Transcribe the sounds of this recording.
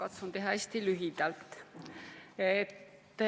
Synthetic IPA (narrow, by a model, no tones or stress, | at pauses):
kɑt̪sunt̪e̞ɦɑæsʲt̪ilyɦid̪̥ɑlt̪ːˑ | et̪ː